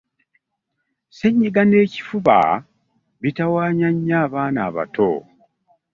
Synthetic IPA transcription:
seɲːiɡane̞ːci̥fuβa̰ | βitawaːɲaɲːaːβaːnaːβa̰to̰

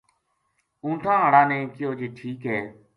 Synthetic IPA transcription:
ũːʈ̪ʰãːɦaːɽãːnẽːkɪjoːd͡ʒeːʈʰiːkɦɛː

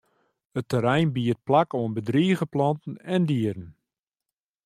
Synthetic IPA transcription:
ətəɾɛjnbiət̚plakoənbədriːəɣəplɑntn̩ɛndiəɾən

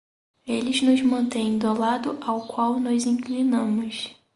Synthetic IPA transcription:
elɪznʊzmɐ̃nt̪ẽj̃d̪olad̪ʊʔawkwawnɔzĩklinɐ̃mʊs

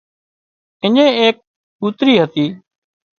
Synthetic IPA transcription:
ɪɲẽːeːk̚ | kuːt̪ɾiːɦət̪iː

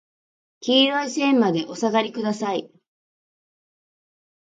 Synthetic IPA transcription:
kʲiːaisẽmmad̪e̞ʔo̞saɡaɾʲikɯ̟d̪asai

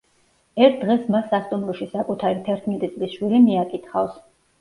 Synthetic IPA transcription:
ɛɾt̪̚ʰd̪ʁɛsmasːast̪ʼumɾɔʃisakʼut̪ʰaɾit̪ʰɛɾt̪ʰmɛt̪ʼit̪sʼlisʃwiɾimiakʼit̪ʰχafs

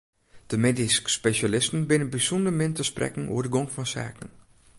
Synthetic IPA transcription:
d̥əmediskspeʃalɪstən̩bɪnənbisundəmɪntəsprɛ̰kŋ̩ʔo̰ədəɡoŋfɔnsa̰ːkən

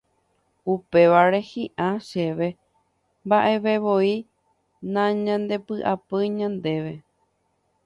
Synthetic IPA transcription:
upe̞ʋaɾe̞hĩʔãʃe̞ʋe̞ | mbaʔe̞ʋe̞ʋo̞i | nãɲãnd̪e̞pɨʔapɨɲãnd̪e̞ʋe̞

